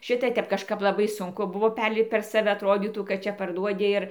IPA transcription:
ˈʃʲɪtɐ ˈtʲɛp kɐʃˈkɐp lˠɐˈbɐɪ sʊŋˈkʊ ˈbʊʋoː ˈpʲɛrʲlʲɪpt pʲɛr sɐˈʋʲɛ ɐtˈroːdʲiːtuː kɐt ˈt͡ʃʲɛ pɐrˈduɔdʲɪ ɪr

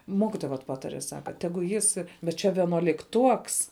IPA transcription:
ˈmoːkʲɪtoːjɛ ʋɐt ˈpɑːtɐrʲɛ ˈsɑːkɐ tʲɛˈɡʊ ˈjɪs bʲɛt ˈt͡ʃʲɛ ʋʲiɛnuɔlʲɪkˈtuɔks

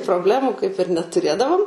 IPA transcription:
proːbʲˈlʲæːmuː kɐɪp ɪr nʲɛtʊˈrʲeːdɐʋoːm

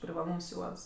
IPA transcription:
pʲrʲɪʋɐˈlˠuːms ˈjuɔts

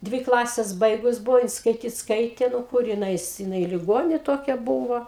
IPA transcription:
ˈdʲʋʲɪ ˈklˠɑːsʲɛs ˈbɐɪɡʊs ˈbʊʋoː jɪn skɐɪˈtʲiːt ˈskɐɪtʲeː ˈnʊ ˈkʊr jɪn ˈɐɪs jɪˈnɐɪ lʲɪˈɡoːnʲeː ˈtoːkʲɛ ˈbuːʋoː

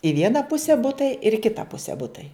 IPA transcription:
ɪ ˈʋʲiɛnɐ ˈpʊsʲɛ ˈbʊtɐɪ ɪr ɪ ˈkʲɪtɐ ˈpʊsʲɛ ˈbʊtɐɪ

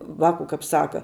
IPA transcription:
ˈʋɑːkʊ kɐp ˈsɑːkɐ

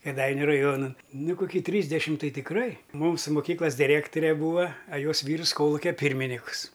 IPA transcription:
kʲeːˈdɐɪnʲʊ rɐˈjuɔnɐ ˈnʊ koːˈkʲiː tʲrʲiːzʲdʲɛʃʲɪmt ˈtɐɪ tʲɪkˈrɐɪ ˈmuːsʊ moːˈkʲiːklˠɐs dʲɪˈrʲæːktoːrʲɛ ˈbuːʋɐ ɐ ˈjoːs ˈʋʲiːrs ˈkoːlˠʊkʲɛ ˈpʲiːrʲmʲɪnʲɪkʊs

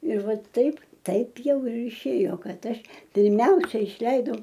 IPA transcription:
ɪr ˈʋɐt ˈtɐɪp ˈtɐɪp ˈjɛʊ ɪr ɪˈʃʲeːjoː ˈkɐt ˈɐʃ pʲɪrʲˈmʲɛʊsʲɛɪ ɪʃʲˈlʲɛɪdɐʊ

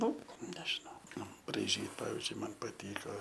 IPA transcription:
ˈnʊ ˈnʲæːʒʲɪnɐʊ ˈnʊ brɐɪˈʒʲiːt ˈpɑːʋʲɪzʲd͡ʒʲʊɪ ˈmɐn pɐˈtʲiːkoː

